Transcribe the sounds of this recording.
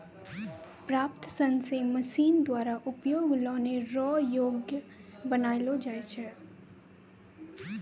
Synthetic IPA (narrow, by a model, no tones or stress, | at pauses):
pɾaːp̚t̪sənseməʃiːnd̪waːɾaʔʊpjoːɡlɔ̃ːneɾɔːjoːɡjəbənaːilod͡ʒaːet͡ʃʰɛː